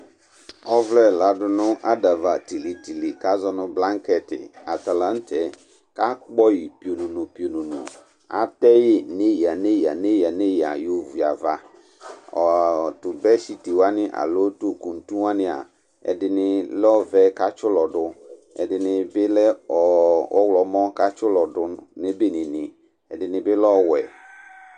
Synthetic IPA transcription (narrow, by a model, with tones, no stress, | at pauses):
ɔ˦vlɛ˦la˨˦dʊ˨nʊ̃˦ʔa˦da˨va˨ti˨li˨ti˨li˨ka˦zɔ˦nʊ̃˦blã˦ŋ˦kɛ˨tɪ̰˨a˨ta˨lã˦n˦tʰɛ˨ | ka˦k͡pɔ˦ji˨pi˨o˨nũ˨nʊ̃˨pi˨o˨nũ˨nʊ̰̃˨ | a̰˨tɛ˦jɪ˦nẽ˦i˨a˨nẽ˦ja˨nẽ˦ja˨ne˦ja̰˨jo˦vu˨a̰˨va˦ | ɔ˨tʊ˨bɛ˦si˨ti˨wa˦nɪ̃˦ʔa̰˨lo˦to˦ku˨n̩˨tũ˦a˦nɪ̃˦a̰˨ | ɛ̰˨dɪ˨nɪ˨lɔ˦vɛ˦ka˦t͡ʃʊ˦lɔ˨dʊ˦ | ɛ̰˨dɪ˨nɪ˨bɪ˦lɛ˦ɔ˨ʔɔ˦wlɔ˨mɔ̃˦ka˦t͡ʃʊ˦lɔ˨dʊ˦ne˦be˦nɪ̃˨nɪ̃˨ | ɛ˨dɪ˨nɪ̃˨bɪ˦lɔ˦wɛ˨